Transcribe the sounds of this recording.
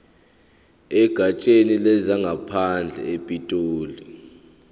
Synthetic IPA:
ɛɡ̥ʱat͡ʃʼenilɛzaŋɡʱapʰand͡ɮʱɛ̰epʼitʼoːli

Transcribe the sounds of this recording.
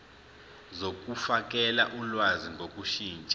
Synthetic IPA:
zok̬ʼufak̬ʼɛlaʔulwaziŋɡʱokʼuʃiːnt͡ʃʼa

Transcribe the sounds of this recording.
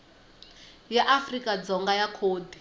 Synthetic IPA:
jaʔafrikʼad͡zɔŋɡajakʰoːdi

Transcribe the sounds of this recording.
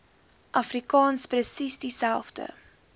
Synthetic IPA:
ʔɐfrikɑːnsprəsisdisælˠfdə̰

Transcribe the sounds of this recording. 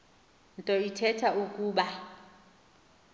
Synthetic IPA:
n̩tʼɔitʰɛtʰaukʼuːɓa

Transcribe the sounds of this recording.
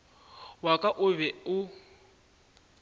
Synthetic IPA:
wakʼaʔʊβɛʊ

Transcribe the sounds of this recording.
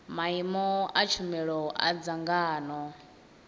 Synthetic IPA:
maimɔat͡ʃʰumɛɺɔʔa̰d͡zaŋɡaːnɔ

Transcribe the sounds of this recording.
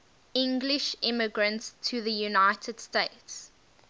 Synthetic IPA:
ɪ̃ŋɡlɪʃɪməɡɹə̃ntstʰəðəjunaɪtʰəd̥steɪts

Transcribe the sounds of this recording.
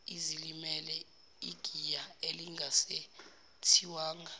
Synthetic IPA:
izilimɛlɛ | iɡ̥ʱijaeliŋʱase | tʰiwaːŋa

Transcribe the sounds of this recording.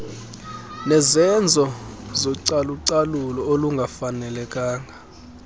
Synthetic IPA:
nɛzɛnd͡zʱɔzɔǀaluǀalulɔoluŋɡʱafanɛlɛkʼaːŋɡʱa

